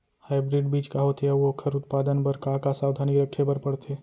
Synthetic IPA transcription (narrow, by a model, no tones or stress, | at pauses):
haːɪbɾɪɖbiːt͡ʃkaɦot̪eɐʋokʰəɾʊt̪paːd̪ənpəɾkakasaːwd̪ʱaːniɾəkʰːebəɾpəɽt̪ʰeː